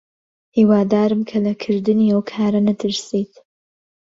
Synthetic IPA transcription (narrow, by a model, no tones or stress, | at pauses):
hiːwaːd̪aːɾɨmkʰɐlɐkʰɨɾd̪ɨniːɐwkʰaːɾɐnɐt̪ʰɨɾsiːt̪